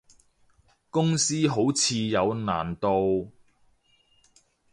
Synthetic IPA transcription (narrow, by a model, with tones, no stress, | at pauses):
kʊ˥ŋsiː˥ɦo˨˥wt͡sʰiː˧jɐ˨˧wna̰ː˨˩nt̪o˧w